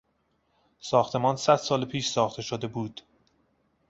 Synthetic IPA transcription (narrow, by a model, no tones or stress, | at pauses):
sɒːxt̪ʰe̞mɒːnsæd̪̥sɒːlpʰiːʃsɒːxt̪ʰe̞ʃod̪e̞buːd̪̥